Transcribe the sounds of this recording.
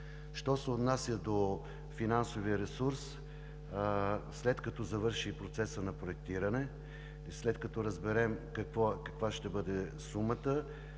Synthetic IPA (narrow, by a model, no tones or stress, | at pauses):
ʃt̪ɔsɛot̪nasʲjəd̪o | finansoviəɾɛsuɾs | slɛt̪kɐt̪ɔzɐvɤɾʃipɾot̪sɛsənɐpɾoɛk̚t̪iɾɐnɛ | slɛt̪kɐt̪ɔɾɐzbɛɾɛmkɐkvɔkɐkvaʃt̪ɛbɤd̪ɛsumət̪ə